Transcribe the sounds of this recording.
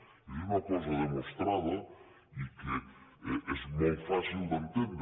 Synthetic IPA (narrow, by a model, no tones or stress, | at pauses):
ɛunɐkɔzɐðemõst̪ɾaðɐ | ikɪɛɛzmojfasild̪ẽnt̪ẽnd̪